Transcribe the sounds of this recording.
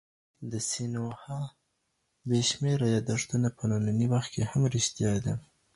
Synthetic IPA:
d̪əsinohɑ | beʃmeɾajɑd̪aʂt̪unapənananiwaxt̪kehamɾɪʃt̪jɑjd̪a

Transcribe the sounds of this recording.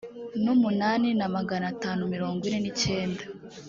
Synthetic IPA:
numunaːninamaɡanataːnumiɾo̞ːŋɡwine̞nice̞ːnda

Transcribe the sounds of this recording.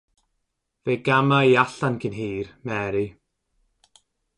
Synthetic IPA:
veːɡamaiaɬankʰɪnɦiːrmɛːɾi

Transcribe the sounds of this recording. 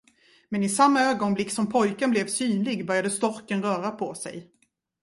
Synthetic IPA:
mɛnɪsamːaøːɡɔnblɪksɔmpʰɔjkənblɛvsyːnlɪɡbœɾjad̪əst̪ɔɾkənɾœːɾapʰɔsɛ̰j

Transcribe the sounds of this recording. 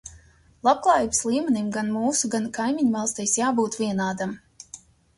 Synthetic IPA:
lˠap̚klˠaːjiːbɨslʲˠiːmʲɛnʲimɡanmuːsuɡankajmʲiɲmalˠst̪ɛjsjaːbuːt̪vʲiɛnaːd̪am

